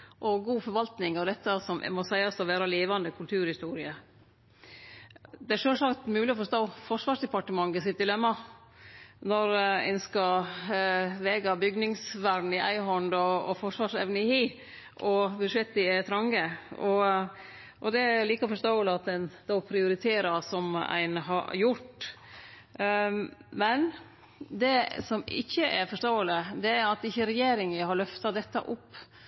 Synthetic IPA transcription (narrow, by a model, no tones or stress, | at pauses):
ʔɔɡuːfɔɾʋɑlt̪nɪŋɑd̪ɛt̪ːəsɔm̰mɔsæɪɑsɔʋeːɾɑleːʋɑnd̪əkʰʉlt̪ʰʉːɾhɪst̪uːɾɪə | d̪ɛæɾʂøːlsɑkt̪mʉːlɪɔfɔʂt̪oːfɔʂʋɑːʂd̪ɛpɑʈəmɑŋːəsɪt̪̚d̪ɪlɛmːɑ | nɔɾɛ̰nskɑ | ʋeːɡɑbʏɡnɪŋsʋæɾ̩ɪʔæ̰ɪɦɔnd̪ɔɔfɔʂʋɑːʂɛʋnəɪhiː | ʔɔbʉd̪ʂɛt̪ːɪt̪ʰɾɑŋɡəɔ | ʔɔd̪ɛæliːkəfɔʂt̪oːələɑt̪d̪ɛnd̪opʰɾɪʊɾɪt̪ʰeːɾɑsɔmæ̰ɪnɦɑ̰jʊʈ | mɛn | d̪ɛsɔmɪ̰çːəʔæɾfɔʂt̪oːələd̪ɛæɾɑt̪ɪçːəɾɛjeːɾɪŋəɦɑɾɭœft̪ɑd̪ɛt̪ːə̰ʔʊpː